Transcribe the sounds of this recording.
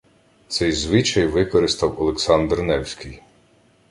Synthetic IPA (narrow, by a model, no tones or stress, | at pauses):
t̪sɛjzʋɪt͡ʃɐjʋɪkɔɾɪst̪ɐwɔlˠeksɑnd̪rnɛwsʲkʲɪj